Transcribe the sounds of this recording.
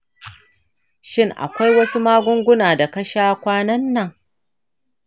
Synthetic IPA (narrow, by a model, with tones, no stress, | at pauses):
ʃɪ˦ŋʔa̰˨kʷa˦jwɐ˦su˦maː˦ɡʷʊ˦ŋɡʷʊ˦naː˨da˨kɐ˦ʃaː˦kʷaː˦nɐ˦nːɐ˨ŋ